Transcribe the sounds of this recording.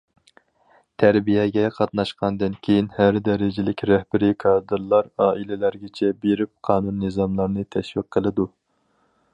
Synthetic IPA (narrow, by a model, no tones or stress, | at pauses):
t̪ʰæɾbijɛɡʲɛqʰɑt̪nɑʃqɑnd̪ɨnkʲʰejinhæɾd̪ɛɾɪd͡ʒɪlɪkʲɾɛhbɪɾɪkʰɑɾd̪ɨɾlˠɑɾɑːʔilɪlæɾɡʲɛt͡ʃʰɛbeɾɪp̚qʰɑːnunːɨzɑmlˠɑɾnɨt̪ʰɛʃwiqʰːəlˠɨd̪u